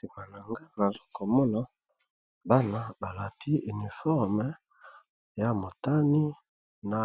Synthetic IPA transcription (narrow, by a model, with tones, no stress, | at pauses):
ti˨ma˨na˨ŋɡa˦na˨zo˦ko˨mɔ˦na˦ | ba˦na˦ba˨la˨ti˦i˨ni˨fɔ˦ʁmə˨ | ja˦mo˨ta˦ni˦ | na˨